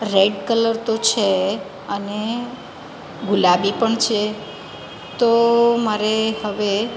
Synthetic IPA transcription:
ɾeɖkələɾt̪ot͡ʃʰe | əne | ɡulabipəɳt͡ʃʰe | t̪omaɾehəʋe

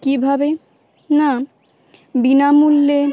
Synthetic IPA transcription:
kibʱabe | na | binamulːe

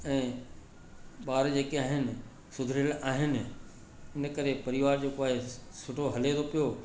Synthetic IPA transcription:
ɛ̃ː | ɓaːɾd͡ʑeːkeaːɦɪnɪ̆ | sʊd̪ʱɪɾəlaːɦɪnɪ̆ | ɪnəkɐɾepɐɾɪʋaːɾd͡ʑeːkoaːɦesʊʈʰoɦɐlet̪ʰopijo

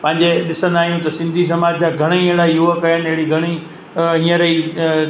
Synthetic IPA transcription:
pɐ̃ɦɪ̃ɲd͡ʑeɗɪsə̃nd̪aːɦijũt̪ɐsɪ̃nd̪ʱis̬ɐmaːd͡ʑd͡ʑaɡʱɐɽ̃eieɦɽaijuʋəkɐjənɪɪɦɪɽiɡʱɐɽ̃i | ɦĩːə̃ɾɐi

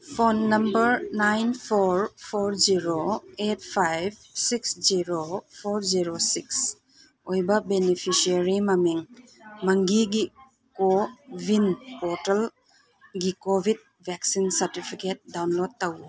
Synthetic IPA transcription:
pʰonːɐmbɐɾnajnpʰoɾpʰoɾziɾoet̚pʰajb̚siksziɾopʰoɾziɾosiks | ojbɐbenipʰisiaɾimɐmiŋ | mɐŋɡiɡi | kobʱinpɔtel | ɡikobʱid̚ | bʱɛksinsɐɾtipʰiket̚dawnlod̚tɐwu

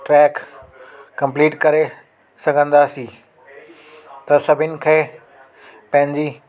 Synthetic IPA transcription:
ʈɾɛːkː | ɐ̃mpliːʈkɐɾe | sɐɡʱə̃nd̪aːsiː | t̪ɐsɐbʱɪnɪ̆kʰeː | pɐ̃ɦɪ̃ɲd͡ʑiː

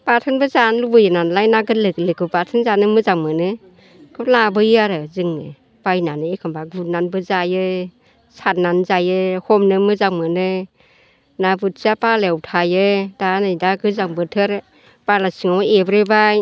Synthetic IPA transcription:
patʰɯnbɯzanlubɯjɯnanlajnaɡɯtlɯklɯkɯpatʰɯnzanɯmɯzaŋmɯnɯ | kʰɯlabɯjaɾɯzɯŋɯ | b̥ajnanɯekʰɯmbaɡut̚nanbɯzajɯ | sananzajɯhɔmnɯmɯzaŋmɯnɯ | nabɯt̚sapalewtʰajɯdanɯjdaɡɯzaŋbɯtʰɯɾ | palasɯŋawebɾebaj

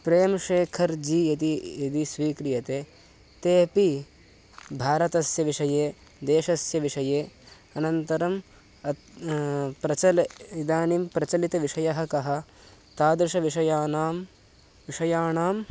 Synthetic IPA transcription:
pɾeːɐmɐʃeːkʰɐɾd͡ʒiɐt̪iid̪isʋiːkɾijɐt̪eː | t̪eːpi | bʱaːɾɐt̪ɐsjɐʋiʂɐjeː | d̪eːʃɐsjɐʋiʂɐjeː | ɐnɐnt̪ɐɾɐm | ɐ | pɾɐt͡ʃɐlid̪aːnimpɾɐt͡ʃɐlit̪ɐʋiʂɐjɐɦɐkɐɦɐ̆ | t̪aːd̪ɾɪʃɐʋiʂɐjaːnaːm | ʋiʂɐjaːɳaːm

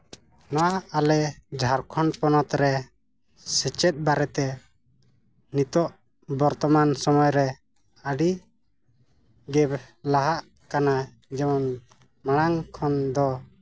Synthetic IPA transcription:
naaalɛd͡ʒʱaɾkʰɔnpɔnɔt̪ɾɛ | sɛt͡ʃɛt̪̚baɾɛt̪ɛ | nit̪ɔʔ | bɔɾt̪ɔmansɔmɔjɾɛ | əɖi | ɡɛblaɦaʔ | kana | d͡ʒɛmɔn | maɽ̃aŋkʰɔnd̪ɔ

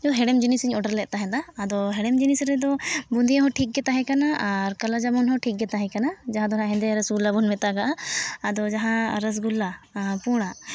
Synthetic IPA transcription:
d͡ʒɔɦɛɽɛmd͡ʒinisiɲɔɖəɾlɛʔ̚ˀt̪aɦɛ̃d̪aːd̪ɔɦɛɽɛmd͡ʒinisɾɛd̪ɔbund̪ijaɦɔʈʰik̚ɡɛt̪aɦɛ̃kanaʔaɾkalad͡ʒamɔnɦɔʈʰik̚ɡɛt̪aɦɛ̃kanad͡ʒaɦãd̪ɔnãɦɛ̃nd̪ɛɾəsɡulabɔnmɛt̪aɡaʔaːd̪ɔd͡ʒaɦãɾəs̬ɡulːapuɽ̃a

